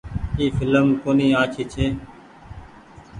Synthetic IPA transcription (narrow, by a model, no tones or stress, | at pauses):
iːfɪləmkoːniːãːt͡ʃʰiːt͡ʃʰeː